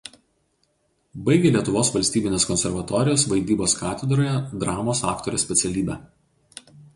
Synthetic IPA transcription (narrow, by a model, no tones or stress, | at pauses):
bɐɪɡʲelʲiɛt̪ʊʋoːsʋɐlʲsʲt̪ʲiːbʲɪnʲeːskɔnʲsʲɛɾʋɐt̪ɔːɾʲɪjoːsʋɐɪd̪ʲiːboːskɑːt̪ʲɛd̪ɾoːjɛd̪ɾɑːmoːsɑːkt̪oːɾʲɛsʲpʲɛt̪sʲɛlʲiːbʲɛː